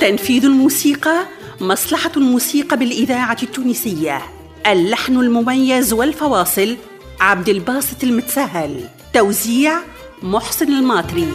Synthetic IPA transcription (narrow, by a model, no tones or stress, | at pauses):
t̪anfiːðalmuːsiːqɑ | mɑsˤlɑħɑlmuːsiːqɑbɪlʔɪðaːʕat̪ːuːniːsɪjːa | ʔalːaħnalmʊmajːazwɪlfɑwɑːsˤɨl | ʕab̚d̪ɪlbɑːsˤɨ̥t̪ˤɪlmʊt̪ḁsaɦːal | t̪awziːʕ | mʊħsˤɨnɪlmɑːt̪ˤɾi